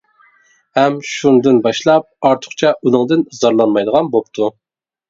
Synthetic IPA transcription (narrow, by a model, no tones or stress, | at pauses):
hɛmʃund̪ɨnbɑʃlˠɑp̚ɑɾt̪ʰʊ̥χt͡ʃʰɛunɨŋd̪ɨnzɑɾlˠɑnmɑjd̪əʁɑnbop̚t̪ʰu